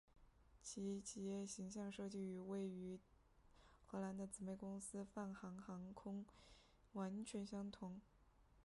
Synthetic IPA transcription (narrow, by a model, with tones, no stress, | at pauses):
t͡ɕʰi˧˥˧t͡ɕʰi˧˥jɛ˥˩ɕi˧˥ŋɕjɑ˥˧ŋʂɤ˥˧t͡ɕy˥˩y˨˧˥we˥˩ɪy˧˥ | xɤ˧˥la˧˥nd̪ə˧t͡sɹ̩˨˩me˥˩ɪkʊ˥ŋsɹ̩˥fa˥˩nxɑ˧˥ŋxɑ˧˥ŋkʰʊ˥ŋ | wa˧˥nt͡ɕʰɥɛ˧˥nɕjɑ˥ŋt̪ʰʊ˧˥ŋ